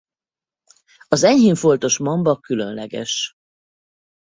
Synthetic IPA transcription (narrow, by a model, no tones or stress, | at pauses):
ɒzɛɲhiːɱfo̞lt̪o̞ʃmɒmbɒkylø̰nlɛɡɛ̰ʃ